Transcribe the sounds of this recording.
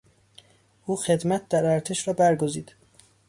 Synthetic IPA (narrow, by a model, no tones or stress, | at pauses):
ʔuːxe̞d̪mæt̪̚ʰd̪æɾæɾt̪ʰeʃɾɒːbæɾɡoziːd̪̥